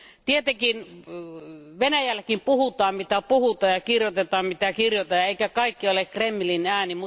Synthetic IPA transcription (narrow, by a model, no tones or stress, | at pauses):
t̪iet̪ekin | ʋenæjælːækimpuhut̪ɑːmmit̪æpuhut̪ɑːjɑkirjot̪et̪ɑːmmit̪ækirjot̪ɑjɑeˑikækɑikːiolekkremːilinæːnimu